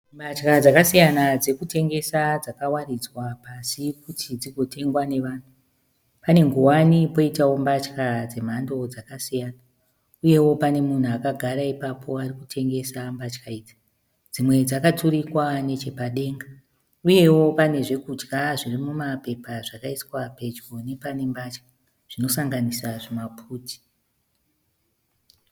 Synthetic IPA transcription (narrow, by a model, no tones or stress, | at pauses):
mbat͡ʃkad͡zakasijanad͡ze̞kute̞ŋɡe̞sad͡zakawarid͡zwapasikutʰid͡ziɡʱo̞tʰe̞ŋɡwane̞ʋaːn̤u | pane̞ŋɡuwanipo̞itawo̞mbat͡ʃkad͡ze̞m̤ando̞d͡zakasijana | uje̞wo̞pane̞mun̤uakaɡʱaɾaipapʰo̞arikutʰe̞ŋɡe̞sambat͡ʃkaiːd͡za | d͡zimwe̞d͡zakaturikwane̞t͡ʃe̞paɗe̞ːŋɡa | uje̞wo̞pane̞ʐe̞kud͡ʒɡaʐirimumape̞paʐakaiswape̞d͡ʒɡone̞pane̞mbat͡ʃkḁ | ʐ̥ino̞saŋɡanisaʐemapʰuːti̥